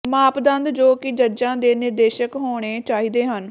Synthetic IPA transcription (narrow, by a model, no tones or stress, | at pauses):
maːpd̪ə̃nd̪d͡ʒoːkɪd͡ʒəɾd͡ʒãːd̪eːnɪɾd̪eːʃəkɦoːɽ̃eːt͡ʃaːɦiːd̪eːɦən